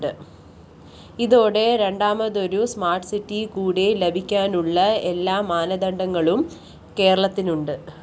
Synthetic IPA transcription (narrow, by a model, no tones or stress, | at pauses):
ɨ | iðo̞ːɽe̞ɾe̞ɳɖaːmɐðoɾusmaːrʈsitːikuːɽelebʱikʲːaːnuɭːɐelːaːmaːnɐd̪ɐɳɖɐŋːɐɭum | ke̞ːɾɐɭɐt̪ːinuɳɖɨ